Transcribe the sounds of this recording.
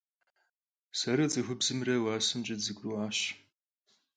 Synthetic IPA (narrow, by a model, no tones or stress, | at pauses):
sɐɾɐd͡zɨxʷʊbzɨmrɐwaːsɨmd͡ʒʼɐzɨɡʷʼruaːɕ